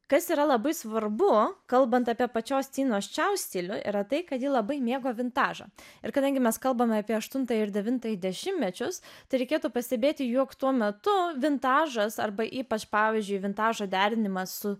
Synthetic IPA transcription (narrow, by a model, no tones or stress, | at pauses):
kɐsiːɾɐlˠɐbɐɪsʋɐɾbʊkɐlˠbɐnt̪ɑːpʲiɛpɐt͡ʃʲoːst̪ʲiːnoːst͡ʃʲɛʊsʲt̪ʲiːlʲʊʔḭɾɐt̪ɐɪkɐt̪jiːlˠɐbɐɪmʲeːɡoːʋʲɪnt̪ɑːʒɐ̰ɪɾkɐd̪ɐŋʲɡʲɪmʲɛskɐlˠbɐmʲɛɐpʲiɛɐʃt̪ʊnt̪ɐjɪɾd̪ʲɛʋʲɪnt̪ɐjɪd̪ʲɛʃʲɪmʲmʲɛt͡ʃʲʊst̪ɐɪɾʲɛɪkʲeːt̪uːpɐsʲt̪ʲɛbʲeːt̪ʲɪjuɔkt̪uɔmʲɛt̪ʊʋʲɪnt̪ɑːʒɐsɐ̰rbɐʔiːpɐt͡ʃpɑːʋʲizʲd͡ʒʲʊɪʋʲɪnt̪ɑːʒoːd̪ʲæːɾʲɪnʲɪmɐsʊ